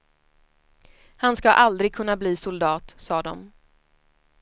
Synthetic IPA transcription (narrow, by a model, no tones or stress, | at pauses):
hanskaʔald̪ɾɪɡ̚kʰɵnːabliːsʊld̪ɑːt̪sɑːd̪ɔ̰m